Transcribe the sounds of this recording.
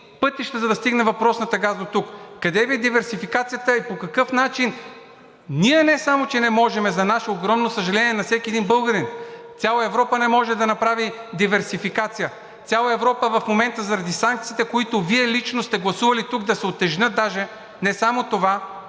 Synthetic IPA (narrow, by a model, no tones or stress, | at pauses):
pɤt̪iʃt̪əzɐd̪ɐst̪iɡnɛvɐpɾɔsnɐt̪ɐɡazd̪ot̪ukkɐd̪ɛviɛd̪ivɛɾsifikat̪sijət̪əipokɐkɤfnat͡ʃin | niɛnɛsamot͡ʃɛnɛmɔʒɛmɛzɐnaʃɛoɡɾɔmnosəʒɐlɛniɛnɐfsɛkʲiɛd̪inbɤlˠɡəɾint̪sʲjalˠɐɛvɾɔpənɛmɔʒɛd̪ɐnɐpɾavid̪ivɛɾsifikat̪sijə | t̪sʲjalˠɐɛvɾɔpəvɐfmomɛnt̪əzɐɾɐd̪isaŋk̚t̪siːt̪ɛkoit̪oviɛlit͡ʃnost̪ɛɡlˠɐsuvɐlit̪uɡd̪ɐsɛot̪ːɛʒnɤt̪̚d̪aʒɛ | nɛsamot̪ova